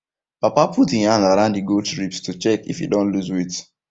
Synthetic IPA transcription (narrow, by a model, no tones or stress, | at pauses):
papapʰutĩhãndaɹãʊ̃ndiɡotɹipstut͡ʃɛkḭfḭdõnluzwit